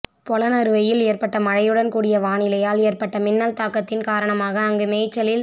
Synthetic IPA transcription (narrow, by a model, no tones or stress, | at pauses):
pɔlɐnɐɾɯʋɐjɪleːrpɐʈːɐmɐɻɐjɯɽɐnkuːɽɪjɐʋaːɳɪlɐjaːleːrpɐʈːɐmɪnːalt̪aːkːɐt̪ːɪnkaːɾɐɳɐmaːɣɐːŋɡɯmeːt͡ʃːɐlɪl